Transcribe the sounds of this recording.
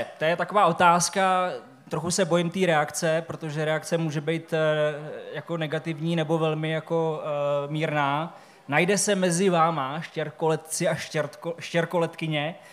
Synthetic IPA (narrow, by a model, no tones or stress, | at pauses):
t̪ojɛt̪ako̞vaːʔo̞t̪aːska | t̪ɾoxusɛbo̞jɪmt̪iːɾɛakt͡sɛpɾo̞t̪o̞ʒɛɾɛak̚t͡sɛmuːʒɛbɛjt̪ | jako̞nɛɡat̪ɪvɲiːnɛbo̞vɛlmɪjako̞miːɾnaː | najdɛsɛmɛzɪvaːmaʃcɛɾkolɛt̪t͡sɪʔaʃɛɾoʃcɛɾko̞lɛt̪kɪɲɛ